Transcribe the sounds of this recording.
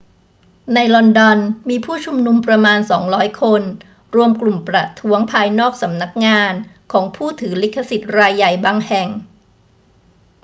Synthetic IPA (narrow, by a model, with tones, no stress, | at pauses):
na˧jlɔ˧ndɔ˧nmiː˧pʰuː˥˩t͡ɕʰu˧mnu˧mpɾa˧maː˧nsɔː˩˦ŋɾɔː˦˥jkʰo˧n | ɾu˧əmklu˨˩mpɾa˨˩t̪ʰu˦˥əŋpʰaː˧jnɔː˥˩k̚sa˩˦mna˦˥k̚ŋaː˧n | kʰɔː˩˦ŋpʰuː˥˩t̪ʰɯː˩˦li˦˥kʰːa˧si˨˩t̪̚ɾaː˧jːa˨˩jbaː˧ŋhɛ˨˩ŋ